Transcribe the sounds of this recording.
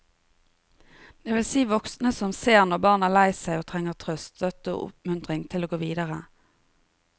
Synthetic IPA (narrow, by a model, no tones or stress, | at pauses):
d̪̥eːʋɪlsiːʋɔksnəsɔmseːʁnɔʁbɑːʁnæʁlæɪsæɪoːt̪ʰʁɛŋəʁt̪ʰʁœst̪sœt̪əo̰ːʔʊ̰pmʉnt̪ʁɪŋt̪ʰɪloːɡoːʋiːd̪əʁə